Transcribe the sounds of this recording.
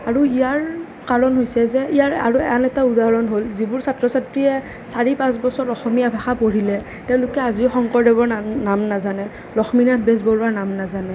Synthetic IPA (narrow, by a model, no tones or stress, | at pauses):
aɹuijaɹ | kaɹɔnɦojsɛzɛijaɹa̰ɹuanɛtaudaɹɔnɦolzibʊɹsatɹɔsatɹiɛ | saɹipãs̬bɔsɔɹɔxɔmiabʱaxapoɹilɛ | tɛʊ̃lʊkɛaziʊxɔŋkɔɹdɛbɔɹnamnazanɛ | ɹɔxminat̚ʰbes̬bɔɹuaɹnamnazanɛ